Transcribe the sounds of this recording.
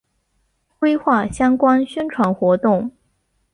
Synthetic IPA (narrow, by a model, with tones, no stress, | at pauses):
kwe˥ɪxwa˥˩ɕjɑ˥ŋkwa˥nɕɛ˥nʈ͡ʂʰwa˧˥nxwɔ˧˥t̪ʊ˥˩ŋ